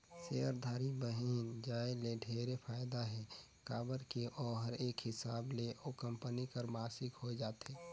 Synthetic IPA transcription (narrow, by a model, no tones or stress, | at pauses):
seəɾd̪ʱaːɾibəɦiːnd͡ʒaːeleɖʱeːɾepʰaːjd̪aɦɛ | kaːbəɾkiʔɔːɦəɾeːkhɪsaːbleʔokə̃mpənikəɾmaːsɪkhod͡ʒaːt̪eː